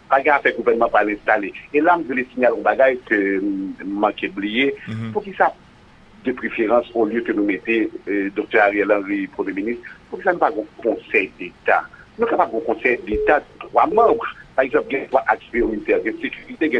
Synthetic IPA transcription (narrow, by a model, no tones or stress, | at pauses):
paɡɛ̃afɛɡuvɛnmãpʁalɛ̃st̪aleelam̩velesiɲalɔ̃baɡajkømm̩mãkeblijepuk̬isa | d̪əpʁefeʁɑ̃soljøkønũmet̪ed̪ok̚t̪ɛaʁiɛlãʁipʁəmjeminist̪pukisanũpaɡɛ̃kɔ̃sɛjd̪et̪a̰nũkapab̚ɡɔ̃kɔ̃sɛjd̪et̪ad̪ʁwamʌ̃bʁpaʁɛɡzɑ̃p̚ɡɛ̃pwãʔakspeoĩt̪ɛɡɛ̃sekyʁit̪eɡɛ̃